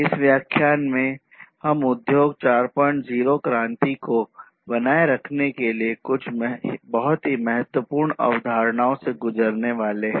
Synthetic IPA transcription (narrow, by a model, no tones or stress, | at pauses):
ɪsʋjaːkʰjaːnmẽ | hɐmʊd̪joːɡ̚t͡ʃaːɾpə̃ɳʈd͡ʒiːɾokɾãːnt̪iko | bɐnaːeɾɐkʰnekeliekʊt͡ʃʰbɐɦʊt̪ɦimɐɦət̪wəpuːɾɳɐ̰ʋd̪ʱaːɾɳaːõseɡʊd͡ʒəɾneʋaːleɦɛ̃ː